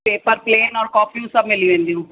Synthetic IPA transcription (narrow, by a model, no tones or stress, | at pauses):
peːpəɾpleːnɔːɾkɔːpʰiũːsəbmɪliũẽɛ̃ːnd̪iũː